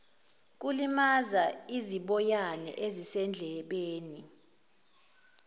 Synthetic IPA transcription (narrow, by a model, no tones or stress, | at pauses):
k̬ulimazaiziɓɔjanɛ̰ʔezisɛnd͡ɮʱɛɓeːni